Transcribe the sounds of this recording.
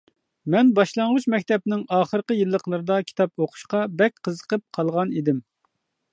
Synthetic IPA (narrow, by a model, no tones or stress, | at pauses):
mɛnbɑʃlˠɑɴʁut͡ʃmɛkʲt̪ɛp̚nɪŋɑːχəɾqəjilˠːəqlˠɨɾɨd̪ɑkʲʰi̥t̪ɑp̚oqʰʊ̥ʃqɑbɛk̚ʲqʰəzəqəp̚qʰɑlˠʁɑnid̪ɪm